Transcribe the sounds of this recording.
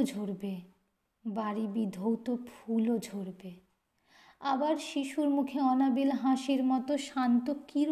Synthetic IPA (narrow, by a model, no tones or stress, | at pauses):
d͡ʑʱoɾbe | baɾibid̪ʱowt̪opʰulod͡ʑʱoɾbe | abaɾʃiʃuɾmukʰeɔnabilɦaʃiɾmɔt̪oʃant̪okiɾ